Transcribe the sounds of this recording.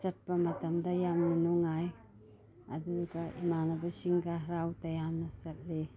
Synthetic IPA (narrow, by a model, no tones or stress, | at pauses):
sɐt̚pamatamdajamninoŋaj | a̰duɡaʔimanabasiŋɡaɦɾawtajamnasat̚le